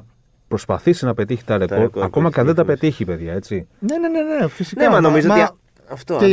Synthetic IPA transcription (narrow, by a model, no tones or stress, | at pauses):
pɾo̞spɐ̰θisinɐpe̞t̪içi̥t̪ɐɾeko̞ɾt̪ɐko̞mɐcɐnðed̪ɐpe̞t̪içipe̞ðʝɐe̞t͡sinene̞nenefisineɐmɐnomizooɐti | ɐft̪oe